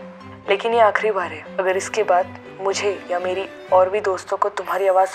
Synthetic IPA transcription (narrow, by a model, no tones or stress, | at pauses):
leːkɪnjeaːkɾibaːɾɦɛːɐɡəɾɪskebaːd̪ | mʊd͡ʒʱejameːɾi | ɔːɾbʱid̪oːst̪õkot̪ʊmɦaːɾiaːʋaːz